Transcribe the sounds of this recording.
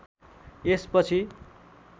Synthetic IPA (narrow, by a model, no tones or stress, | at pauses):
espʌt͡sʰi